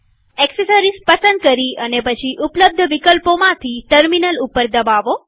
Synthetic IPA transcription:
ɛksesəɾispəsənd̪̚kəɾiənepət͡ʃʰiʔupləb̚d̪ʱəʋikəlpomãt̪ʰiʈəɾminəlupəɾd̪əbaʋo

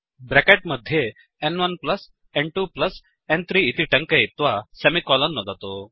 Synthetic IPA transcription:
bɾɛkeʈ̚məd̪ʱːje | ɛnʋənpləs | ɛ̃ɳɖʈuːpləs | ɛnt̪ʰɾiːt̪iːʈə̃ŋkeit̪ʋasemikɔlənːɔd̪ʱat̪o

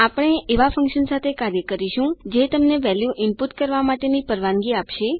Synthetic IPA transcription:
apəɽ̃eeʋafʰə̃ŋkʃənsat̪ʰekaɾjəkəɾiʃũd͡ʒet̪əmneʋɛljuʔɪmpuʈkəɾʋamaʈenipəɾʋãŋɡiapʃe

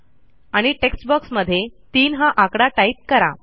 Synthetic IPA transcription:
aɽ̃iʈeksʈbəksməd̪ʱːjet̪iːnɦãʔakɽaʈait̪̚kəɾa̰

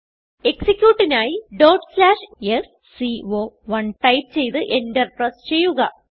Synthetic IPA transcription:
e̞ksikʲjuːʈːinaːjiɖo̞ːrʈslaːʂesːioːʋɐɳʈɐjp̚t͡ɕe̞jt̪ɨʔendɐrprɐst͡ɕe̞jːuɣɐ

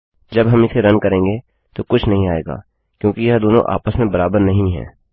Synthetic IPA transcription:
d͡ʒɐbɦɐmɪseɾɐnkɐɾẽːŋɡe | t̪okʊt͡ʃʰnɐɦĩaːḛːɡa̰ː | kjõːkijɐɦd̪oːnõ̰ʔa̰ːpəsmẽbɐɾaːbəɾnɐɦĩɦɛ̰ː

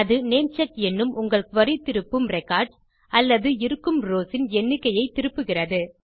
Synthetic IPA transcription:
ɐðɯneːnt͡ʃɐkɛnːɯmʔʊŋɡɐɭkʋɐɾit̪ːɪɾɯpːɯmrɛkːaːɾɖ | ɐlːɐðɯɪɾɯkːɯmɾoːsɪnɛnːɯkːɐjɐɪt̪ːɪɾɯpːɯɣɪrɐðɯ

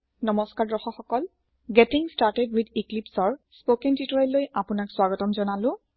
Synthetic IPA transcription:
nɔmɔskaɹdɹɔxɔxɔkɔl | ɡɛtiŋstaɹtɛdwid̪iklipsɔɹspokɛntitɔɹilojapʊnakswaɡɔtɔmzɔnalʊ̃

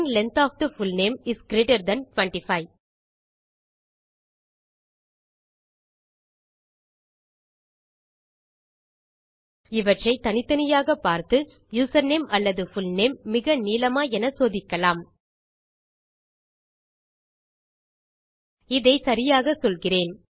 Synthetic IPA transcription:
ŋlɛnt̪aːfd̪ɐfʊlneːmɪskɪɾeːʈɐɾd̪ɐnʈʋɐɳʈɪfɐɪ | ɪʋɐʈrɐɪt̪ɐnɪt̪ːɐnɪjaːɣɐpaːɾt̪ɯ | juːsɐɾneːmʔɐlːɐðɯfʊlneːmːɪɣɐniːlɐmaːɛnɐsoːðɪkːɐlaːm | ɪðɐɪsɐɾɪjaːɣɐsɔlɣɪreːn

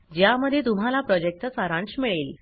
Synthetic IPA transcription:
d͡ʑjaməd̪ʱːjet̪um̤alapɾɔd͡ʑek̚t̪ət͡saɾãɳsmiɭel

